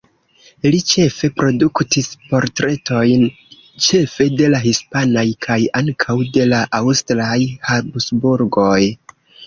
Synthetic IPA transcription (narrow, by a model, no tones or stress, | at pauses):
lit͡ʃe̞fe̞pɾo̞duktispo̞ɾtɾe̞to̞jn | t͡ʃe̞fe̞de̞laɦispanajkʰajaŋkʰawde̞laʔawstɾajhabsbuɾɡo̞j